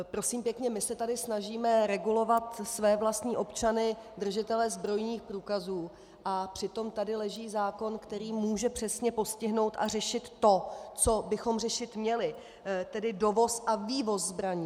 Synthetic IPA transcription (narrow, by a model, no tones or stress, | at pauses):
pɾo̞siːmpjɛkɲɛmɪsɛt̪adɪsnaʒiːmɛɾɛɡulo̞vat̪svɛːvlast̪ɲiːʔo̞pt͡ʃanɪd̪r̩ʒɪt̪ɛlɛzbɾo̞jɲiːxpɾuːkazuː | ʔapr̥ɪt̪o̞mt̪adɪlɛʒiːzaːko̞nkt̪ɛɾiːmuːʒɛpr̝̥ɛsɲɛpo̞scɪɦno̞wt̪ʔa̰r̝ɛʃɪt̪ːo̞t͡so̞bɪxo̞mr̝ɛʃɪt̪mɲɛlɪ | t̪ɛdɪdo̞vo̞sʔaviːvo̞szbɾaɲiː